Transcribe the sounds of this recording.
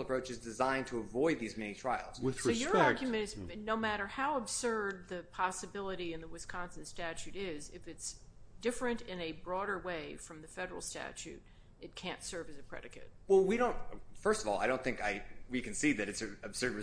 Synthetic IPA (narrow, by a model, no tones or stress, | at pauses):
lˠəpʰɹ̥oʊt͡ʃɨzdɨzãɪ̃ntʰəəvɔɪd̪̚ðizmɛnitʰɹ̥aɪl̩ˠz̥ɨsoʊjə˞ɑɹɡjmɨ̃ñɨznoʊmæɾə˞haʊəb̥sɜ˞d̪̚ðɨpʰɑsɨbɪlˠəɾiɨ̃nðəwɨskʰɑ̃nsɨ̃nstæt͡ʃʉɾɪzɨfɨtsd̥ɪfɹɨ̃ntɪ̃nɨbɹɔɾə˞weɪfɹʌ̃mðɨfɛɾə˞l̩ˠstæ̰t͡ʃʉ̰ɾ | ʔɨt̚kʰæ̃ntsɜ˞vɨzɨpʰɹ̥ɛ̰ɾɨkɨ̰t̚wɛlˠwiɾõʊ̃ntfɜ˞stʌvɔ̰lˠa̰ɪɾõʊ̃nθɪ̃ŋkaɪwikɨ̃n̩siðɨɾɨtsɨɨb̥sɜ˞d̚ɹɨ